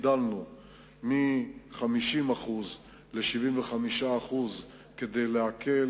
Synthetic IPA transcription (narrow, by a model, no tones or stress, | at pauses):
dalnu | miχamiʃimaχuz | le̞ʃivimveχamiʃaːχuz | ke̞d̪ejleakʰe̞